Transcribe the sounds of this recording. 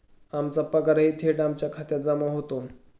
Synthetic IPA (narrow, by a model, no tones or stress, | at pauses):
amt͡sapəɡaɾaɦit̪ʰeʈamt͡ɕjakʰat̪jat̪̚d͡zamaɦot̪on